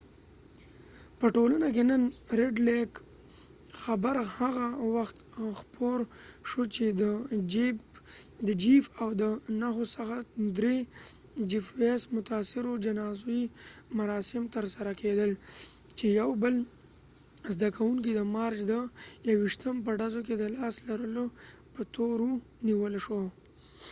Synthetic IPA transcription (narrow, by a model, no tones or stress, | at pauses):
pəʈolanak̬enənɾɪɖlek | xabaɾhaɣawaxt̪xpʰoɾʃot͡ʃed̪əd͡ʒi | d̪əd͡ʒifawd̪ənaxosaxad̪ɾe | d͡ʒifwesmʊt̪ɑsɪɾod͡ʒanɑzoimaɾɑsɪmt̪əɾsaɾakʰed̪əlt͡ʃejawbəl | zd̪akawuŋkid̪əmɑɾt͡ʃd̪əjawiʃt̪əmp̬əɖazok̬ed̪əlɑslaɾəlopət̪oɾu | niwəlʃo